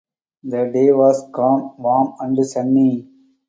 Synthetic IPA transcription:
d̪əɖeːʋɔːskɔ̃ːmʋɔ̃ːmɐ̃ɳɖəsɐ̃nːi

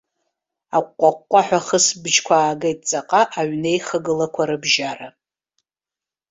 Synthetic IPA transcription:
akʷʼqʷʼakʷːʼaħʷᶣaχəsbd͡ʒkʷʰaːɡejtʼt͡sʼaqʼaʔaɥne̞jχəɡɨlakʷʰaɾɨbʒara

